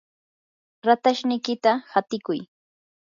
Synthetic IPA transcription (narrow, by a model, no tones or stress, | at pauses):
ɾat̪aʃnɪjkɪt̪ahat̪ɪkʊj